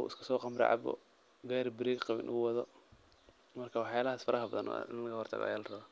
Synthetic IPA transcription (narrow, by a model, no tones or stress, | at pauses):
ṵʔɪ̰skʰɐ̥sɔːqɑmɾɛ̰ʕɑ̰bɔ̰ | ɡɛːɾbɪɾiːɡqɑβɪ̰nʔʊwɑðɔ | mɐrkʰawɑħjaːlɐɦaːsfɐɾʔɐɦɐbɐðɐnɔ̰ɪ̰nlɐɣɐhɔrt̪ʰɐ̰ɣɔ̰jalrɐβa